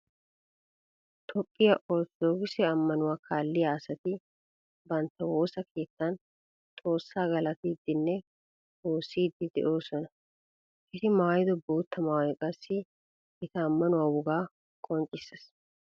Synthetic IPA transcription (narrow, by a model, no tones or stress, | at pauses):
t̪ʰɔpʼːɪjɐʔoːt͡sd̪oːɡɪsɛɐmːɐnʊwaːkʰaːlːɪjaːsɐt̪ɪ | bɐnt̪ːɐwo̞ːsɐkʰe̞ːt̪ːɐn | t̪ʼo̞ːsːaːɡɐlɐt̪ɪd̪ːɪnːɛ | oːsːiːd̪ːɪd̪ɛ̰ʔo̞ːsɔnɐ | ʔɪsɪmaːjɪd̪ɔboːt̪ːɐmaːwɛkʼɐsːɪ | ɪt̪ɐːmːɐnʊwaːwʊɡaː | kʼɔnt͡ʃʼːɪsːɐs